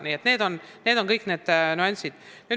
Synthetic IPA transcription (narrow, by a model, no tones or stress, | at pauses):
niːet̪ːneːd̪o̞nneːd̪o̞nkɤjkːne̞ːd̪̥nuansid̪̥ny